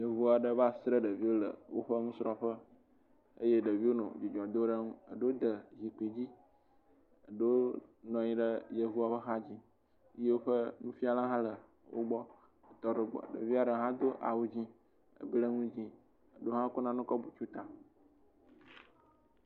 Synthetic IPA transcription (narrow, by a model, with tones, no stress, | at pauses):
jə˨vu˦a˨ɖə˦βa˦sɾə˦ɖə˨vi˦wo˦lə̰˨wo˦ɸə˦ŋũ˦sɾɔ˦ɸə˦ | ə̰˦je˦ɖə˨vi˦wo˦nɔ̰̃˨d͡ʒi˨d͡ʒɔ˨d̪o˦ɖə˦ŋũ˦ə̰˨ɖo˦wo˦d̪ə˨zi˨k͡pe˨d͡ʑi˦ | ə˨ɖo˦o˦nɔ̃˨ɲĩ˦ɖə˦jə˨vu˦a˨ɸə˦ɦa˦d͡ʑi˦ | je˦wo˦ɸə˦nũ˦fi˦a˦lã˦ɦã˦lə˨ | wo̰˦ɡ͡bɔ˦ | ə˨t̪ɔ˦ɖə˨ɡ͡bɔ̰˨ɖə̰˨vi˦a˨ɖə˨ɦã˦d̪o˦ʔa̰˨wu˦d͡ʑĩ˦ | ə̰˨blə˦ŋũ˦d͡ʑĩ˦ | ə˨ɖo˦ɦã˦ko˦nã˦nũ˦kɔ˦bu˨t͡ʃu˦t̪a˨